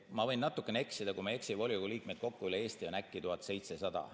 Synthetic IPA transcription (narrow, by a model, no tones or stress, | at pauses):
mɑvɤ̞jnːɑt̪ːˑukːˑeneeksid̪ɑkumee̞ksivo̞lʲjoɡuliːk̚med̪̥̚ko̞kːuylːee̞ːst̪ionækˑːit̪uɦɑt̪ˑse̞jt̪sesɑd̪̥ɑ̰